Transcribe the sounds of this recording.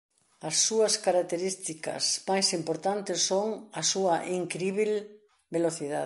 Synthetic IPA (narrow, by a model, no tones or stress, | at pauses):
ɐsːuɐskaɾakt̪eɾist̪ikɐ̰smajsimpoɾt̪ant̪ɪsːoŋɐsuɐʔiŋkɾiβil | beloθiða̰ð